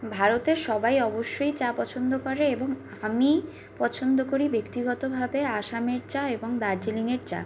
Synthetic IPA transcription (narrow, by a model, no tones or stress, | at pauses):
bʱaɾot̪eɾʃɔbajɔboʃːojt͡ɕapɔt͡ɕʰond̪okɔɾeeboŋ | ami | pɔt͡ɕʰond̪okoɾibekt̪iɡɔt̪obʱabeaʃameɾt͡ɕaeboŋd̪aɾd͡ʑiliŋeɾt͡ɕa̰